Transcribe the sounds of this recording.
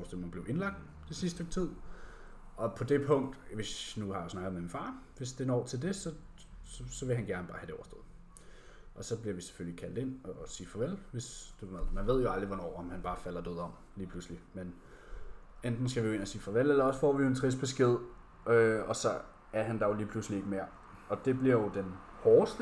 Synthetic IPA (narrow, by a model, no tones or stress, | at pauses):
ʊsd̥o̰mænb̥le̝ʊʔe̝nlɑ̈ɡ̥̚d̥ | t͡sesisd̥ət͡sʰið̰ˠ | ʔɒ̽pʰɒ̽d̥e̝pʰɔ̽ŋ̰d̥ʋe̝snuhɑ̈josnɑ̈ɡ̥ð̩ˠmeminfɑ̈ːʋe̝sd̥e̝nɒ̰ːt͡sʰe̝ld̥e̝sɒ̽ | sɒsɒ̽ʋe̝ɦænɡ̥æɐnəb̥ɑ̈ːhædɾe̝ɒʊɐsd̥o̰ð̩ˠ | ʔɒ̽sɒ̽b̥liɐʋise̥føljikʰæl̰d̥e̝n̰ɒsiːfɒʋel̰ʋe̝sd̥umeðˠmænʋe̝ð̞̰ˠjo̝ɑ̈ld̥ʁiʋɒnɒ̰ːɒmhænb̥ɑ̈ːfæl̰ɐd̥øðˠɒ̽m̰ | liːpʰl̥uslimen | end̥n̩sɡ̥æʋijoe̝næsiːfɒʋel̰elɐɒ̽sfɒ̰ːʋio̝e̝nt͡sʰʁisb̥e̝sɡ̥e̝ð̞̰ˠ | ʔøɒ̽sɒ̽ | æɐɦænd̥ɑjo̝liːpʰluslie̝ɡ̥əmeɐ̰ | ɒ̽d̥e̝b̥liɐjo̝d̥en | hɒːsd̥ə